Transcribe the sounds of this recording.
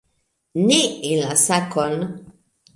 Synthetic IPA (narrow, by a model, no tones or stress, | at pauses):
neilasakɔn